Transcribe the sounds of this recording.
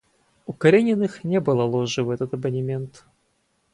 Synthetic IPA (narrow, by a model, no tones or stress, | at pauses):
ukɐɾʲenʲɪnɨxnʲebɨlˠɐlˠoʐɨvɛt̪ət̪ɐbənʲɪmʲent̪